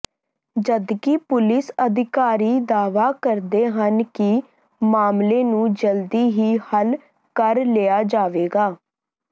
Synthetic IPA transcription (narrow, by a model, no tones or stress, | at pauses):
d͡ʒəd̪kipʊlɪsəd̪ɪkaːɾiːd̪aːʋaːkəɾd̪eːɦənkɪ | maːmleːnũːd͡ʒəld̪iːɦiːhəl | kəɾlejaːd͡ʒaːʋeːɡaː